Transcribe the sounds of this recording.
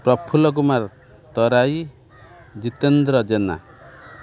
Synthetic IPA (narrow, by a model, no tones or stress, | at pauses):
pɾɔpʰulɔk̬umaɾ | t̪ɔɾaj | d͡ʒit̪end̪ɾɔd͡ʒena̰